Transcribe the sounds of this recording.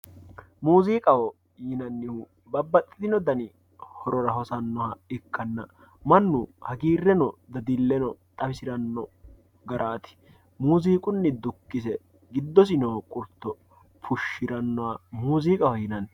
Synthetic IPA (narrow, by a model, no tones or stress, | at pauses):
muːziːkʼɐwɔ | jɪnɐnːɪhu | bɐbːɐt̪ʼːɪd̪ɪnɔd̪ɐnɪ | hɔɾɔɾɐɦɔsɐnːɔhɐɪkːɐnːɐ | mɐnːuhɐɡiːrːɛnɔd̪ɐd̪ɪlːɛnɔt̪ʼɐfɪsɪɾɐnːɔ | ɡɐɾʔaːt̪ɪ̥ | muːziːkʼʊnːɪd̪ʊkːɪsɛ | ɡɪd̪ːɔs̬ɪnɔkʼʊɾt̪ːɔ | fʊʃːɪɾɐnːɔwɐmuːziːkʼɐhɔjɪnɐn